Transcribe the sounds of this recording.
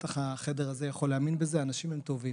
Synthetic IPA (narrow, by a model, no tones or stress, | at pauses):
t̪aχaχe̞de̞ʁaze̞jaχo̞leaminbezeaːnaʃimemt̪o̞vim